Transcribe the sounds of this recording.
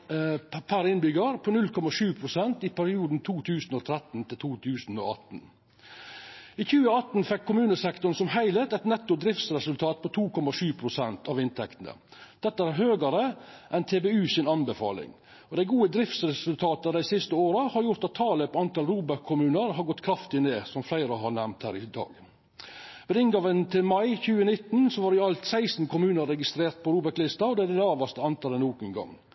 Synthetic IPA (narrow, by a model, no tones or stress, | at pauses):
pʰæɾɪnbʏɡəɾpʰɔnʉlkʰɔmɑʂʉːpʰɾʊsɛnt̪ipʰæɾɪuːd̪n̩t̪ʰuːt̪ʰʉːsnoːt̪ʰɾɛt̪n̩t̪ʰɪlt̪ʰuːt̪ʰʉːsn̩o̰ɑ̰t̪n̩ | iːçʉːəɑt̪n̩fɛkʰːʊmʉːnəsɛkt̪ʊɳ̩sɔmɦæɪlət̪ɛt̪nɛt̪ːʊd̪ɾɪft̪sɾɛsʉlt̪ʰɑːt̪̚pʰɔt̪ʰuːkʰɔmɑʂʉːpʰɾʊsɛnt̪ɑʋɪnt̪ʰɛkt̪ənə̰d̪̥ɛt̪ːəæɾhøːɡəɾəʔɛnt̪ʰeːbeːʉːsɪnɑnbəfɑ̰ːlɪ̰ŋ | ɔd̪æɪɡuːəd̪ɾɪft̪sɾɛsʉlt̪ʰɑːt̪əd̪æɪsɪst̪əoːɾəhɑɾjʊɾt̪ɑt̪ʰːɑːləpʰɔɑnt̪ɑlɾuːbəɾkʰːʊmʉːnəɾɦɑɾɡɔt̪ːkʰɾɑft̪ɪneːsɔmflæɪɾəɦɑɾɳæmnt̪hæːɾɪd̪ɑ̰ːɡ | ʋeːd̪ɪnɡɑʋənt̪ʰɪlmɑɪçʉːənɪt̪n̩sɔʋɑɾɪɑlt̪sæɪsn̩kʰʊmʉːnəɾːɛɡɪst̪ɾeːɾt̪̚pʰɔɾuːbəɾklɪst̪ɑɔd̪ɛd̪ɛlɑːʋɑst̪əɑnt̪ʰɑlənuːɡənɡɑ̰ŋː